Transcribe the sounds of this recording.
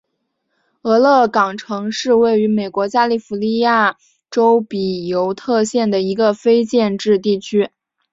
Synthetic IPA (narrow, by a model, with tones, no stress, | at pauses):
ɤ˧˥lɤ˥˩kɑ˨˩ŋʈ͡ʂʰɤ˧˥ŋʂɻ̩˥˧we˥˩ɪy˧˥me˨˩ɪkwɔ˧˥t͡ɕja˥li˥˩fu˧˥li˥˧ja˥˩ | ʈ͡ʂo˥ʊpi˨˩jo˧˥ʊt̪ʰɤ˥˧ɕjɛ˥˩nd̪ə˩i˧˥ɡə˧fe˥ɪt͡ɕjɛ˥˧nʈ͡ʂɻ̩˥˧t̪i˥˩t͡ɕʰy˥